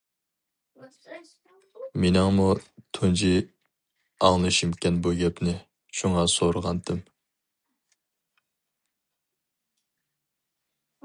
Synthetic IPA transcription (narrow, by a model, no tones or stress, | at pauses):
menɪŋmut̪ʰund͡ʒi | ɑŋlˠɨʃimkʲɛnbuɡʲɛpnɪ | ʃuŋɑsoɾəʁɑnt̪ʰɨm